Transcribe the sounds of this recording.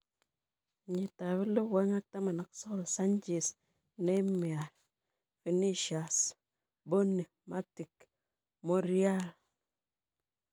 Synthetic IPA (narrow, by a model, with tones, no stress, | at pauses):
ɲi˨ta˨βi˦lo˦we˦ŋa˦k̚ta˦ma˨na˨kso˦ko˦˨lsa˦nd͡ʒe˨s | ne˦me˨a˨ | fi˨ni˦ʃa˨s | bo˦nːe˨ma˦ti˨k | mo˦ɾi˦a˦l